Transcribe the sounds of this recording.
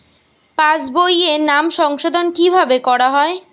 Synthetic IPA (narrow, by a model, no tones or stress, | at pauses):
pad͡ʑbojenamʃɔŋʃod̪ʱonkibʱabekɔɾaɦɔe